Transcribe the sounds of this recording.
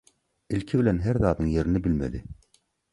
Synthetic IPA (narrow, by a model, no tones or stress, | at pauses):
ilkʲʰibɪlænɦæɾðɑːd̪ɯŋjeɾinɪbɪlmæ̰d̪ɪ